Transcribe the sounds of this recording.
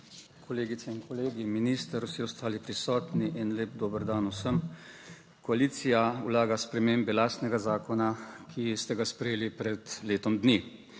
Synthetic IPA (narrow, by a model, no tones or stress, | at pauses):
kʰɔleːɡit̪sɛinkɔleːɡiminiːst̪əɾusiɔst̪aːlipɾisɔːt̪niʔinleːpd̪oːbəɾd̪anusəm | kɔaliːt̪sijaṵlaːɡaspɾɛmeːmbɛlaːst̪nɛɡazaːkɔnakʰist̪ɛɡaspɾɛjeːlipɾɛd̪leːt̪ɔmd̪ni